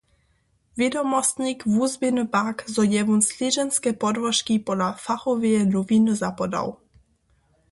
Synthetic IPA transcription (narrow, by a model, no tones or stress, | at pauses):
vɛd̪omɔst̪ɲikvuzbɪnupakzɔjɛvunslʲiʒɛnskɛpɔd̪vɔʃkipɔdafaxɔviɛluvinuzapɔd̪a̰w